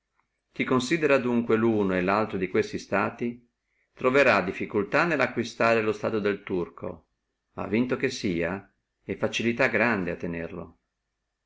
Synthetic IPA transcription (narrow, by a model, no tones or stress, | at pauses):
k̪ikonsiːd̪eɾad̪uŋkweluːnoelalt̪ɾod̪ikwest̪ist̪aːt̪i | t̪ɾoveɾad̪ifːikult̪anelːakwist̪aːɾelost̪aːt̪od̪elt̪urkʰo̰ | ma̰vːint̪okesiːa | efːat͡ʃilit̪aɡɾand̪eat̪ːenḛrlo̰